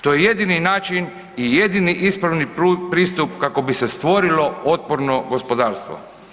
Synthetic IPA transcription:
t̪o̞jeje̞d̪ininaːt͡ʃin | ije̞d̪iniʔispɾaʋnipɾiːst̪upkako̞bise̞st̪ʋo̞ɾilo̞ot̪̚poɾno̞ɡo̞spo̞d̪aːɾst̪ʋo̰

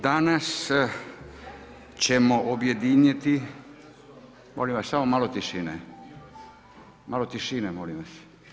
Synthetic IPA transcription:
d̪anas | t͡ɕemoʔobjed̪iɲet̪i | molimʋassamomalot̪iʃiːne | malot̪iʃinemolimʋas

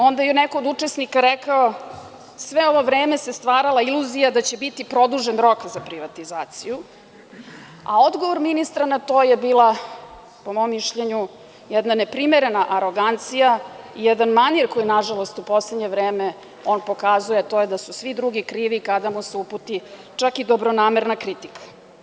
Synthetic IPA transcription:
o̞nd̪ajɛnɛko̞ːd̪ut͡ʂesnikaɾɛkao | sʋeo̞ʋo̞vɾeːme̞sest̪ʋaːɾalailuzijad̪at͡ɕe̞bit̪ipɾo̞d̪uʒenɾo̞kzapɾiʋat̪izaːt̪siju | a̰o̞d̪ɡoʋoɾminist̪ɾanat̪o̞ːjebiːlˠa | po̞mo̞mːiʃʎeɲu | jɛd̪nane̞pɾimeɾe̞naʔaɾo̞ɡant̪sijaijɛd̪anmaniɾkojinaʒalo̞st̪upo̞sledɲe̞ʋɾeːme | o̞npo̞kazujet̪o̞jed̪asusʋid̪ɾuɡikɾiːʋikad̪amuseuput̪i | t͡ʂakid̪o̞bɾo̞naːme̞ɾnakɾit̪ikḁ

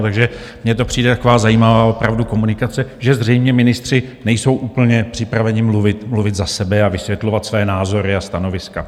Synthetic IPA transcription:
t̪aɡʒɛ | mɲɛt̪o̞pr̥iːdɛt̪ako̞vaːzajiːmavaːʔo̞pɾavduko̞munɪkat͡sɛʒɛzrɛjmɲɛmɪnɪst̪r̝̥ɪnɛjso̞wʔuːpl̩ɲɛpr̥ɪpɾavɛɲɪmluvɪt̪mluvɪt̪zasɛbɛavɪsvjɛt̪lo̞vat̪svajɛnaːzo̞ɾɪast̪ano̞vɪska

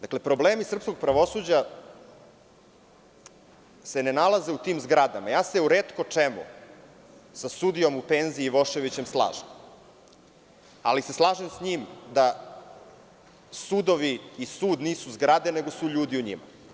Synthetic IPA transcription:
d̪akle̞pɾo̞bleːmisr̩pskoɡ̚pɾaʋo̞suːd͡ʑa | se̞ne̞nalˠaze̞ut̪iːmzɡɾad̪amajaːseuɾeːt̪kot͡ʂemṵ | sasud̪ijo̞mupenziiːʋo̞ʃe̞ʋit͡ɕemslˠa̰ːʒem | a̰lise̞slˠaːʒemsɲiːmd̪a | sud̪o̞ʋiisuːd̪niːsuzɡɾad̪ene̞ɡo̞suʎuːd̪iuɲḭma̰

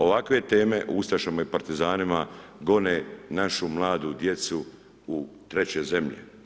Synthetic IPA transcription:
o̞ʋakʋe̞t̪eːme̞ʔust̪aʃamaipaɾt̪izaːnimaɡo̞nenaʃumlˠaːd̪ud̪je̞t̪su | ut̪ɾe̞t͡ɕe̞ze̞mʎḛ

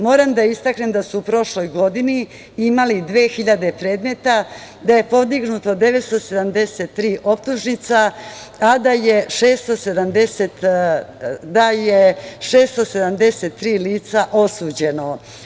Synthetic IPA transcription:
mo̞ːɾamd̪aist̪akne̞md̪asuːpɾo̞ʃlo̞jɡo̞d̪ini | imalid̪ʋe̞ːxiʎad̪e̞pɾe̞ːd̪me̞t̪a | d̪aje̞po̞d̪iɡnut̪o̞d̪e̞ʋet̪st̪ose̞d̪amd̪e̞se̞t̪ːɾiːʔo̞p̚t̪uʒnit̪saː | d̪ajeʂeːst̪o̞se̞d̪amd̪eset̪ | d̪ajeʂeːst̪o̞se̞d̪amd̪e̞set̪ːɾiːliːt̪saʔo̞sud͡ʑe̞no̞

